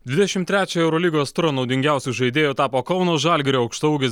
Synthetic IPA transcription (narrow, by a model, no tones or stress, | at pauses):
d̪ʲʋʲɪd̪ʲɛʃʲɪmt̪ʲɾʲæːt͡ʃʲɛɛʊɾɔlʲiːɡoːst̪ʊɾɐnɐʊd̪ʲɪŋʲɡʲæˑʊsʲuʒɐɪd̪ʲeːjoːt̪ɑːpoːkɐʊnoːʒɑˑlʲɡʲɪɾʲoːɐʊkʃt̪ɐɡʲɪs